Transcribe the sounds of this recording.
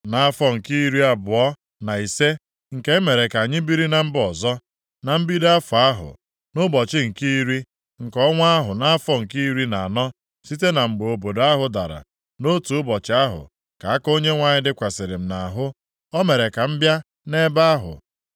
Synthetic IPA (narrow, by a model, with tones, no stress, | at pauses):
na˨a˦fɔ˦ŋ̩˨ki˦ɾi˦a˦˨bʊ˨ɔ˦ | na˨i˨se˦ | ŋ̩˨ke˦me˨ɾe˨ka˨a˨ɲɪ˦bi˦ɾi˦na˨m̩˦bɔ˨zɔ˦ | na˨m̩˦bi˦da˦fʊ˨a˦ɦʊ̰˨ | nʊ˦bɔ˨t͡ʃɪ˦ŋ̩˨ki˦ɾi˦ | ŋ̩˨kɔ˦ŋʷa˦ɦʊ˨na˦a˦fɔ˦ŋ̩˨ki˦ɾi˦na˨a˨nɔ˦ | si˦t̬e˦na˨ŋ͡m̩˨ɡ͡bo˨bo˨da˦ɦʊ˨da˨ɾa̰˨ | no˦tu˨ʊ˦bɔ˨t͡ʃɪ˨a˦ɦʊ̰˨ | ka˨a˦ko˦ɲe˦ŋʷa˨ɲɪ˦dɪ˦kʷa˨se˨ɾɪ˨m̩˨na˨ɦʊ˦ | ɔ˦me˨ɾe˨ka˨m̩˦bja˦ | ne˦ba˦a˦ɦʊ̰˨